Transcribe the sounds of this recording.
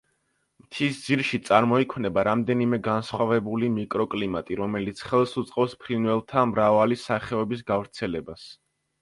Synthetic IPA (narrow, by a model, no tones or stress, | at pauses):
mt̪ʰisd̪ziɾʃit̪sʼaɾmɔikʰmnɛbaɾamd̪ɛnimɛɡansχwavɛbulimikʼɾɔkʼlimat̪ʼiɾɔmɛlit̪sʰχɛlˠsut̪sʼqʼɛfspʰɾinvɛlˠt̪ʰamɾavalisaχɛɔbis̬ɡavɾt̪sʰɛlɛbas